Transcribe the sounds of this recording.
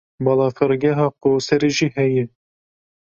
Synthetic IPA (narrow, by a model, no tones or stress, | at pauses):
bɑlˠɑːfɨɾɡʲɛɦɑːqoːsɛɾeʒiːhɛjɛ